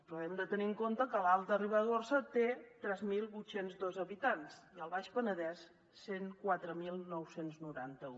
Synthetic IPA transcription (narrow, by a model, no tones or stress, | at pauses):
pɾɔɛmd̪ət̪əniəŋkont̪əkəlalˠt̪əriβəðorsət̪et̪ɾɛzmilˠβujt̪senzd̪ɔzəβit̪ansiəlˠβaʃpənəðɛs | seŋkwat̪ɾəmilˠnɔwsenznuɾant̪əu